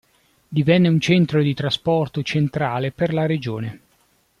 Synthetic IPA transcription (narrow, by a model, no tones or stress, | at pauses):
d̪ivɛnːeunt͡ʃɛnt̪ɾod̪it̪ɾaspɔrt̪ot͡ʃent̪ɾaːleperlaɾed͡ʒoːne